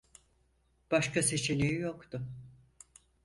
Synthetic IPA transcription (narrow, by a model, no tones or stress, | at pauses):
b̥aʃkase̞t͡ʃʰinʲijijokt̪ʊ